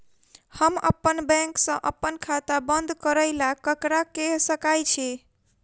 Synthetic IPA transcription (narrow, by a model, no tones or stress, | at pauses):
həmə̰pːənbɛ̃ŋksə̃ʔəpːənkʰat̪abənd̪ʱkəɾəjlakəkɾakesəkajt͡ʃʰi